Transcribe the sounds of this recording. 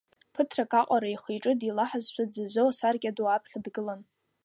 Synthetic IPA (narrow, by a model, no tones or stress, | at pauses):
pʰɨtʰrakʼaqʷʼaɾaiχijʈ͡ʂʼɨdilaħazʃʷʰᶣad͡zɨzowasarɡʲaduapʰχʲdɡɨlan